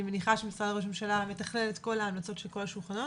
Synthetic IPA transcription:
meniχaʃemisʁadaʁoʃ̬memʃalame̞t̪aχlelet̪ko̞laːmlat͡so̞tʃelko̞laʃulχano

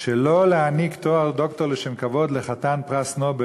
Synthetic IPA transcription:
ʃeloleanikt̪oaʁd̪okt̪oleʃemkavo̞d̪leχat̪anpʁasnobe

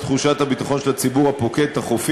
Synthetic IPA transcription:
t̪χuʃathabitaχo̞nʃelat͡sibuʁhapo̞kethaχofi

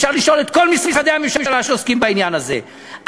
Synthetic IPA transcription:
ʃaʁliʃo̞le̞t̪̚ko̞lmismisad̪eamimʃamalaʃeoskimbainjanaze̞̰ | ʔ

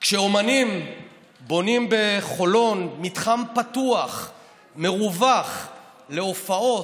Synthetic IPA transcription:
kʃeomanim | bo̞nimbe̞χo̞lo̞nmitχampatuaχ | me̞ʁuvaχ | le̞ofao̞

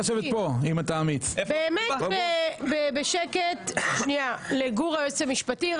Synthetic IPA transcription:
oʃevepoimat̪aːmit͡sbeːmeebebeʃeket̪ʃnialeɡuʁaesemiʃpati

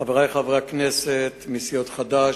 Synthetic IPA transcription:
avʁajχavʁakneset̪misijot̪χad̪a

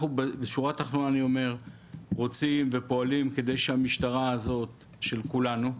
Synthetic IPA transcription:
χubbeʃuʁat̪aχnonaniome̞ʁ | ʁo̞t͡simve̞po̞alimke̞d̪e̞jʃehamiʃtaʁaːzo̞t̪ | ʃe̞lkulanu

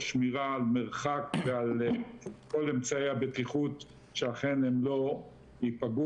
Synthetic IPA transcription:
ʃmiʁaːlmeʁχakveal | ko̞lemt͡saeabetiχut̪ | ʃeaχenemlo̞ | hipaɡu

